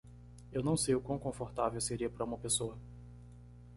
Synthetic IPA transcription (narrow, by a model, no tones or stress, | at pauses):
ewnɐ̃w̃sejʊkwɐ̃w̃kõfoɾt̪avewseɾiɐpaɾɐũmɐpesoɐ